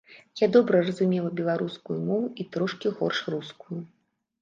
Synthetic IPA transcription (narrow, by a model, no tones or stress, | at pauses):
jad̪ɔbɾɐrɐzumʲɛlˠɐbʲɛlˠaɾuskujumɔvuʔit̪ɾɔʂkʲiɣɔrʂruskuju